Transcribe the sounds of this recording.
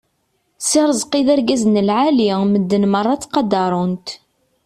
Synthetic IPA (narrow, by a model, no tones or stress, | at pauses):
sɪɾˤəzqiðæɾɡæznəlʕaliməd̪ːənmərˤːɑt͡sːqɑd̪ɑɾˤʊnt̪